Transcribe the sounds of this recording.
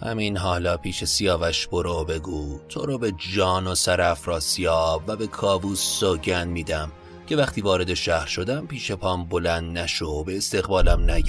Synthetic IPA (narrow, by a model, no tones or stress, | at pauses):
hæ̰meiːnɦɒːlɒːpʰiːʃe̞sijɒːvæʃb̥oɾobe̞ɡuːt̪ʰo̰ɾobe̞d͡ʒɒːnosæɾæfɾɒːsijɒːbvæbe̞kʰɒːbuːsːoɟænmiːd̪æm | cʰe̞væχt̪iːvɒːɾe̞d̪e̞ʃæhɾʃod̪æmpiːʃe̞pʰɒːmbo̞lænd̪næʃobeːst̪eɣbɒːlæmnæj